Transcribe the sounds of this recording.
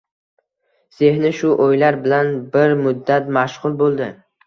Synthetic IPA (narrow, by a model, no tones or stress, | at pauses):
sehnɪʃʊʔojlaɾbɪlanbɪɾmʊd̪ːat̪maʃʁʊlˠbolˠd̪ɪ